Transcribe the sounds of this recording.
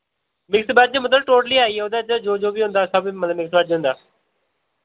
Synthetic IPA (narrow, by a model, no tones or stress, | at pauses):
mɪksbaːd͡ʒeːmət̪əʈoːʈliːaːiːoːd̪aːd͡ʒəːd͡ʒoːd͡ʒoːbiːõʊ̃nd̪aːsəbimət̪ləbmɪksbaːd͡ʒɦʊ̃nd̪aː